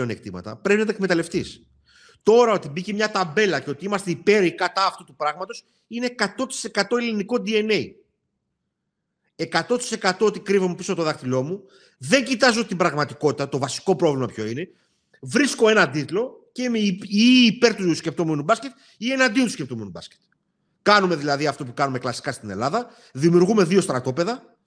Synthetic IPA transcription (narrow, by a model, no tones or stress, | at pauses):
ene̞k̚t̪imɐ̰t̪ɐ̰pɾepinɐt̪ɐekme̞t̪ɐle̞ft̪is | t̪o̞ɾɐo̞t̪ibicemɲɐt̪ɐbe̞lɐceo̞t̪iimɐst̪e̞ipe̞ɾikɐt̪ɐːft̪ut̪upɾɐɣmɐt̪o̞s | ine̞ːkɐt̪o̞t̪i̥se̞kɐt̪o̞eliniko̞d̪ie̞nej | e̞kɐt̪o̞t̪i̥se̞kɐt̪o̞ot̪ikɾivomepisot̪oðɐxt̪ilo̞mu | ðe̞ɲɟit̪ɐzot̪ibɾɐɣmɐt̪iko̞t̪it̪ɐt̪o̞vɐsi̥ko̞pɾo̞vlimɐpço̞ine̞ | vɾisko̞e̞nɐd̪it̪lo̞ | cemeiːpe̞ɾt̪uscʲep̚t̪o̞me̞nubɐsce̞t̪ | ie̞nɐnd̪iot̪uscep̚t̪omenubɐ̰sce̥t̪ | kɐnume̞ðilɐðiɐft̪o̞pukɐnume̞klɐsi̥kɐst̪ine̞̰lɐðɐ | ðimjuɾɣume̞ðio̞st̪ɾɐt̪o̞pe̞ðɐ